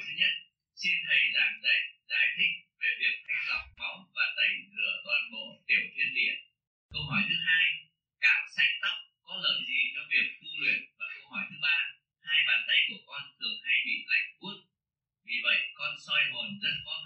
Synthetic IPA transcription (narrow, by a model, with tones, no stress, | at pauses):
t̪ʰɨ˨˦ɲə˦˥t̚ | si˧nt̪ʰə˨˩jlaː˨˩mzə̰˧˩ŋzaː˧˩jt̪ʰï˧ŋ̟̚ve˨˩vi˨˩ət̚t̪ʰa˧jŋla˨˩wk͡p̚fɔ˨˦wvaː˨˩t̪ə˧˩jzɨ̰˧˩ət̪wɔː˧nmo̰˧˨˩ɗe˨˧˩mo˨˩i˧nɗḭ˧˨ən | kə˧wɦɔ˧˩jt̪ʰɨ˨˦ɦaː˧j | kaː˨˧˩msɛ˧˥ŋ̚t̪a˦˥wk͡p̚kɔ˨˦ləː˨˩mzi˨˩t͡ɕɔ˨˧vi˨˩ət̚t̪u˧lwi˨˩ənvaː˨˩kə˧whɔ˧˩jt̪ʰɨ˨˦ɓaː˧ | haː˧jɓaː˨˩nt̪ə˧jku˧˩əkɔ˧nt̪ʰɨ˨˩əŋhaː˧jmḭ˧˨nla̰˧˩jŋ̟ku˦˥ət̚ | vi˨˩və̰˧˨jkɔ˧nsɔ˧jɦo˨˩nzə˦˥t̚kɔ˧n